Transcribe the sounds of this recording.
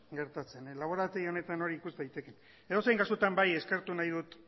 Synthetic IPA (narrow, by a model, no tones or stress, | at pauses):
ɡe̞ɾt̪at͡se̞nlaβ̞o̞ɾat̪eio̞ne̞t̪ano̞ɾiːkust̪ajt̪e̞ken | e̞ðo̞sejŋɡaskot̪ambaje̞skeɾt̪unajð̞ut̪